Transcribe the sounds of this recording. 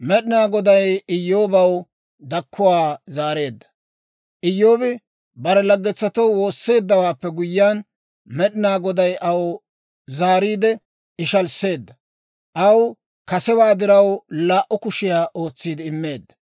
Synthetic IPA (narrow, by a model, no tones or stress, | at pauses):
mɛɗɪnaːɡɔd̪ɐjɪjːo̞ːbɐw | d̪ɐkʰːʊwaːzaːɾe̞ːd̪ːɐ̥ | ʔɪjːo̞ːbɪ | bɐɾɛlɐɡːɛt͡sːɐt̪ɔwwo̞ːsːe̞ːd̪ːɐwaːpːɛɡʊjːaːn | mɛɗɪnaːɡɔd̪ɐjʔɐw | zaːɾiːd̪ɛ | ɪʃɐlse̞ːd̪ːɐ | ʔɐw | kɐsɛbaːd̪ɪɾɐwlaːʔʊkʊʃɪjaːʔo̞ːt͡sːiːd̪ɪɪmːe̞ːd̪ːɐ̥